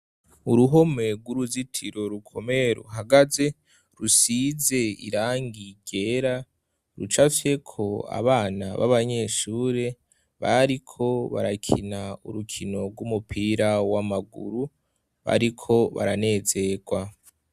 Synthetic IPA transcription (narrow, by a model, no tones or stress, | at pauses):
uɾuɦo̞me̞ɡwuɾuzitʰiɾo̞ɾukʰo̞me̞ɾo̰ɦaɡaze̞ | ɾusize̞ḭɾaːŋɡiɟe̞ɾa | ɾṵt͡ʃafje̞kʰo̞a̰βaːna̰βa̰βaɲe̞ːʃuːɾe̞ | βaɾikʰo̞βa̰ɾakʰinauɾukʰino̞ɾɡumupʰiːɾawamaɡṵɾu | βa̰ɾikʰo̞βa̰ɾane̞ːze̞ɡwa